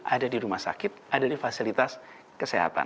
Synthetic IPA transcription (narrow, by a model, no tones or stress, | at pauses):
ʔadadiɾumahsa̰kɪt̪̚adadifasilit̪as | kəseɦa̰t̪a̰